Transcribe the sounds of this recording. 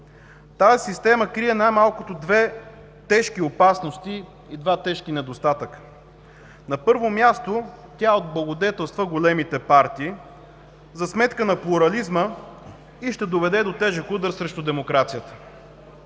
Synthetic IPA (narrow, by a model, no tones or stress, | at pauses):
t̪azisist̪ɛməkɾijɛnajmalˠkot̪od̪vɛ | t̪ɛʃkiopasnost̪i | id̪vat̪ɛʃkinɛd̪ost̪at̪əkə̥ | nɐpɤɾvomʲjast̪o | t̪ʲaod̪̚blˠɐɡod̪ɛt̪ɛlˠst̪vəɡolɛmit̪ɛpaɾt̪iː | zɐsmɛt̪kənɐplˠuɾɐlizmə | iʃt̪ɛd̪ovɛd̪ɛd̪ot̪ɛʒɛkud̪əɾsɾɛʃt̪ʊd̪ɛmokɾat̪sijət̪ə̥